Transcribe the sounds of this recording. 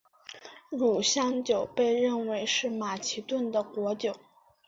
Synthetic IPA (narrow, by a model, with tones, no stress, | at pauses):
ɻu˨˩ɕjɑ˥ŋt͡ɕjo˨˩ʊpe˥˧ɪɻə˥˩nwe˧˥ɪʂɻ̩˥˩ma˨˩t͡ɕʰi˧˥t̪wə˥˩nd̪ə˩kwɔ˧˥t͡ɕjo˨˩˦ʊ